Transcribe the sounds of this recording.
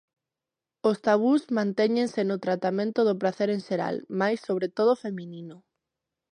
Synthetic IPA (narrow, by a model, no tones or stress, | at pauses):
ost̪aβ̞uzmãnt̪ɛɲẽnsenʊt̪ɾat̪amẽnt̪ʊðʊpɾaθeɾenʃeɾa̰lmajsːoβ̞ɾet̪oð̞ofemĩnĩnʊ